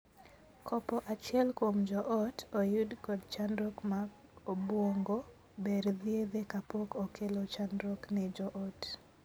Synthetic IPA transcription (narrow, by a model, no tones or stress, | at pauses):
kʰɔpɔʔat͡ʃɪɛlkomd͡ʒɔʔɔtojudkɔdt͡ʃanɾɔkma | obwoŋɡo | beɾðjeðekapokokʰelot͡ʃanɾɔknɛd͡ʒɔʔɔt